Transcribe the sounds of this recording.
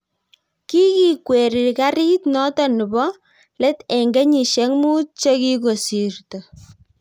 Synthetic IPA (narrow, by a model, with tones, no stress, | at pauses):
ki˦ki˨kwe˨ɾi˨ka˦ɾi˦tnɔ˦tɔ˨nɨ˨bɔ˦ | lɛ˦tɛ˨ŋɡe˦ɲi˨ʃɛ˨˦ŋmu˦t͡ʃe˦ki˦ko˨si˨rto˨